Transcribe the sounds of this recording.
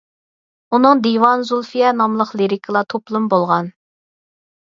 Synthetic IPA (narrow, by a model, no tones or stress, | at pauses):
unɨŋd̪ewɑnzulˠfijɛnɑmlˠəqlˠeɾɪkʰəlˠɑt̪ʰoplˠumbolˠʁɑn